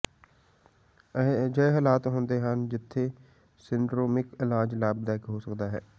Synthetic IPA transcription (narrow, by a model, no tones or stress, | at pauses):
d͡ʒəeɦəlaːt̪ɦõːnd̪eːɦənd͡ʒɪt̪ʰːeː | sɪɳɖɾoːmɪkɪlãːd͡ʒlaːb̚d̪ɛːkɦosəkd̪aːɦɛ̰ː